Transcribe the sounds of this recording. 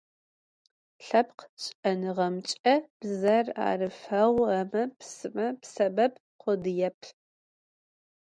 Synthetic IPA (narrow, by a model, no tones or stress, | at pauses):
ɬɐpqɕʼɐnɨʁɐmt͡ʃʼɐb̥zɐra̰ːrɨfɐʁʷɐmɐpsɨmɐpsɐbɐb | qʷʊdɨjɛpʰ